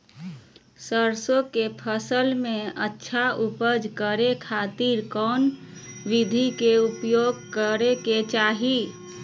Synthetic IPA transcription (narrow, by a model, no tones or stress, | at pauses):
səɾsokepʰəsəlmẽətːʃʰaupəd͡ʒkəɾekʰat̪iɾkɔːn | ʋid̪ʱikeupjoɡ̚kəɾeket͡ʃaːɦi